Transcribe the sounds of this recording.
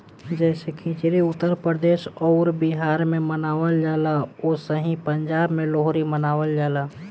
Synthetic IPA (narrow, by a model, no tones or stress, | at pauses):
d͡ʒɛsekʰĩt͡ʃɾiʊt̪ːəɾpɾəd̪eːʃɔʊɾbiɦaːɾmẽmənaːʋəld͡ʒaːlaosəɦĩpəɲd͡ʒaːbmẽloɦɾimənaːʋəld͡ʒaːla